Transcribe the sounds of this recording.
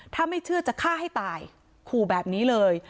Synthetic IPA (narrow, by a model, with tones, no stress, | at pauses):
t̪ʰaː˥˩ma˥˩jt͡ɕʰɯ˥˩ɐt͡ɕa˨˩kʰaː˥˩ɦa˥˩jt̪aː˨˩j | kʰuː˨˩bɛː˨˩p̚niː˦˥lɤː˧j